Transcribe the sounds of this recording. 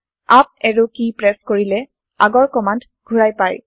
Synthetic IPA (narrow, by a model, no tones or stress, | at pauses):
ap̚ɛɹukipɹɛskoɹilɛ | a̰ɡɔɹkɔmant | ɡ̥ʱuɹajpaj